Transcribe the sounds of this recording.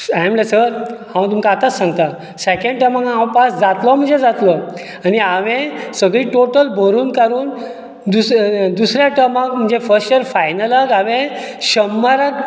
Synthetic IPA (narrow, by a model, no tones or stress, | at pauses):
amlesəɾhãwt̪umkaːt̪at͡ssãŋɡt̪a | sekẽɳɖ̚ʈəmakɦãwpasd͡zat̪lɔm̤əɳd͡zed͡zat̪lɔ | aniaʋẽsəɡɭiːʈoʈəlbʱəɾuːnkaɾuːn | d̪usd̪usɾjaʈəmakm̤əɳd͡zefəɾsʈeɾfajnələkaʋẽ | ɕəmːaɾak